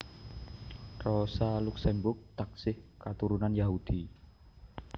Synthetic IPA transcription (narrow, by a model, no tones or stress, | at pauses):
rɔsaluksɛmbʊk̚t̪ak̚sɪhkat̪uɾunanjaɦud̪̥i